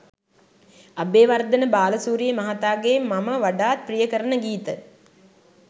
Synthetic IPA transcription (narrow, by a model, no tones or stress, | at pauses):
ɐbeːʋard̪ɐnəbaːlɐsuːɾijəmɐɦat̪aːɡeːmːɐməʋaɖaːt̪̚prijəkəɾənəɡiːt̪ə